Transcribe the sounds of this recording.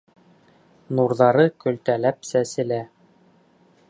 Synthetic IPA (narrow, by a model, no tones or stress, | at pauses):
nuɾðɑɾɤkɵ̆lt̪ælæpsæsɘ̆læ